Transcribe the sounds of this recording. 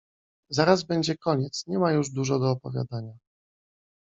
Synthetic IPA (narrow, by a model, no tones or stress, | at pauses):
zaɾazbɛɲd͡ʑɛkɔɲɛt̪sɲɛmajuʐd̪uʐɛɡɔːpɔvʲja̰d̪aɲa